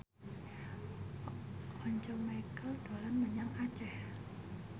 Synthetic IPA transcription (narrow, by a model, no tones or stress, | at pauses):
hɔɲt͡ʃɔmajkəld̪̥olanməɲaŋḁt͡ʃɛh